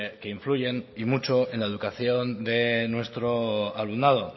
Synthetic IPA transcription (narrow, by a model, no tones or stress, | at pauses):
keiɱfluʝe̞nimut͡ʃoe̞nlaeðukaθjo̞nd̪e̞nwe̞st̪ɾoalunað̞o